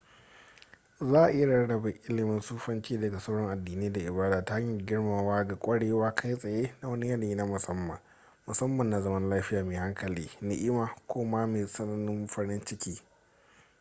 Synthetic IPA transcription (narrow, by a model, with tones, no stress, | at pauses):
zaː˦ʔa˨ʔɪ˦ja˦ɽɐ˦ɽɐ˨be˨ʔɪ˦lɪ˨mɪ˦nsuː˦ɸɐ˦nt͡ʃiː˦dɐ˨ɡa˨sa˦wɽɔ˦ŋʔa˨dːiː˨neː˦da˨ʔɪ˨baː˦daː˨ta˦a˦ɲi˨ɡʲɪ˦ɽmaː˨waː˦ɡa˨kʷʼɐ˦ɽeː˨waː˦kʰa˦jsʼɐ˨jeː˦na˦wɐ˦ni˦jɐ˦liː˦na˦mʊ˨sɐ˦mːɐ̰˨ŋ | mʊ˨sɐ˦mːɐ˨nːa˨zɐ˦mɐ˦nlaː˦ɸɪ˦jaː˨meː˨ha˦ŋkɐ˨liː˦nɪ˦ʔɪ˦maː˨kʷoː˦ma˦meː˨sɐ˦nɐ˦nːɪ˦mɸɐ˦ɽɪ˦nt͡ʃɪ˦kʲiː˦